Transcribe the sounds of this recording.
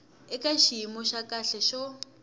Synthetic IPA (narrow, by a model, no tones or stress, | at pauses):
ɪkʼaʃiimɔʃakʼaɬɛʃɔ